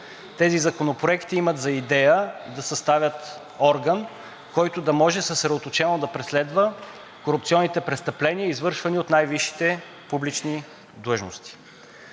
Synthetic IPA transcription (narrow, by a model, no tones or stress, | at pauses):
t̪ɛzizɐkonopɾoɛkt̪iimət̪zɐid̪ɛjəd̪ɐsɐst̪avʲjət̪ | ɔɾɡən | kɔjt̪od̪ɐmɔʒɛsəsɾɛd̪ot̪ot͡ʃɛnod̪ɐpɾɛslɛd̪və | koɾup̚t̪siɔnːit̪ɛpɾɛst̪ɐplɛniəizvɤɾʃvəniot̪najviʃi̥t̪ɛ | publit͡ʃni | d̪ˠɤʒnost̪i̥